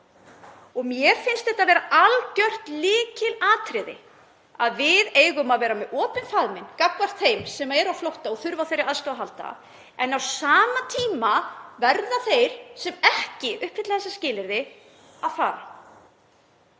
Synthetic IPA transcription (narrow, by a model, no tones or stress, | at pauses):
ɔɣmjɛɾfɪnst̪ɛht̪aðvɛːɾaʔalcœr̥t̪lɪːcɪlaːt̪ʰɾɪðɪ̰ | aðvɪðeːjɣʏmaðvɛːɾamɛðʔɔːpɪnfaðmɪnkakvar̥t̪θejmsɛmaɛɾawflowht̪aɔɣθʏɾvawθejɾːɪaðst̪aaɦalt̪a̰ | ɛnawsaːmat̪ʰiːmavɛɾðaθejɾ̥sɛmɛhcɪʏhphɪt̪laθɛsːascɪːlɪɾðɪ | aðfa̰ːɾa